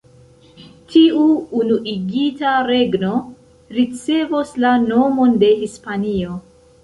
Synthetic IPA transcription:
tʰiuːnuʔiɡitaɾe̞ɡno̞ | ɾit͡se̞voslano̞mo̞nde̞hispanio̞

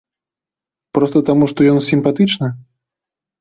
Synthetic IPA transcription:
pɾɔst̪ɐt̪amuʂt̪ɔjɔnsʲimpat̪ɨt͡ʂnɐ

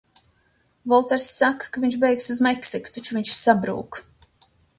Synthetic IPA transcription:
vɔlˠt̪ɛɾsːakːḁkaviɲʃbejksuzmɛksiku̥t̪at͡ʃuviɲʃsabɾṵːk

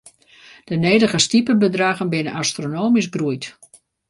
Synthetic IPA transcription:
d̥əneːdəɣəstipəbədraːɣənbɪnənastronoːmisɡrujt

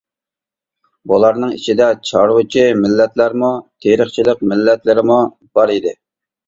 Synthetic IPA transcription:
bulˠɑɾnɨŋḭt͡ʃʰid̪ɛt͡ʃʰɑɾwut͡ʃʰimɪlːɛt̪læɾmut̪ʰeɾəχt͡ʃʰilɪq̚mɪlːɛt̪lɪɾɪmu | b̥ɑɾid̪ɪ

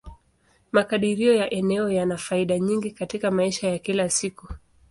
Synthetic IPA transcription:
makaɗiɾiɔjaʔɛnɛɔjanafaiɗaɲiŋɡikatikamaiʃajakilasiku

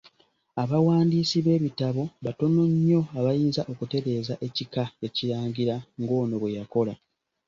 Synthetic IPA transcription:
aβawaːndiːsiβe̞ːβitaβo̞βato̞no̞ɲːo̞aβajiːnzaʔo̞kute̞ɾe̞ːzaʔe̞cikae̞ciɾaːɲɟiɾaŋɡo̞ːno̞βwe̞jako̞la

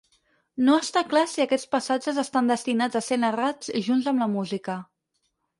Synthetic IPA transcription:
noəst̪aklasiəkɛt͡spəsad͡ʒəzəst̪and̪əst̪inad͡zəsenərad͡ziʒunzəmləmuzikə

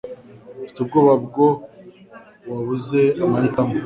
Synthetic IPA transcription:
fi̥tub̚ɡoːβabɡo | waβuzeamajitamo

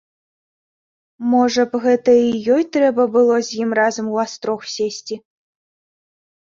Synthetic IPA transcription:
mɔʐɐpɣɛt̪ɐijɔjt̪ɾɛbɐbɨlˠɔzʲjimrazɐmuast̪ɾɔxsʲesʲtʲi

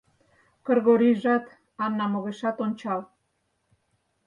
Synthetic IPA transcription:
kɤ̆rɣoɾiʒɑt̪ | ɑnːɑmoɣeʃɑt̪onʲt͡ɕɑl

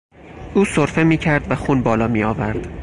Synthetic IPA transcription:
ʔuːsoɾfe̞miːcʰæɾd̪væxuːnbɒːlɒːmiːɒːvæɾd̪̥

